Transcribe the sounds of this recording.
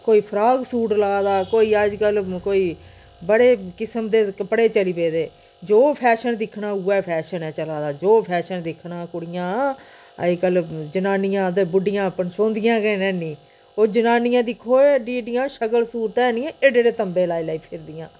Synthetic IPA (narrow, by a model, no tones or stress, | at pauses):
koːiːpʰəɾaːɡsuːʈlaːd̪aːkoːiːəd͡ʒkəlkoːiː | bəɽeːkɪsəmd̪eːkəpɽeːt͡ʃəliːbeːd̪eː | d͡ʒoːpʰɛːʃənd̪ɪkʰnaːuːɛːpʰɛːʃənɛ̃ːt͡ʃəlaːd̪aːd͡ʒoːpʰɛːʃənd̪ɪkʰnãːkʊɽɪjãː | ə̰d͡ʒkəld͡ʒənaːnɪjãːd̪ebʊɖɪjãːpənʃõːnd̪ɪjãːɡɛ̃ːnɛ̃ːnĩː | oːd͡ʒənaːnɪjãːd̪ɪkʰːoːeɖiːɖɪjãːʃəɡəlsuːʈt̪ɛ̃ːnɪjãːeɖeːɾeːt̪əmbẽːlaːilaːiːpʰɪɾd̪ɪjãː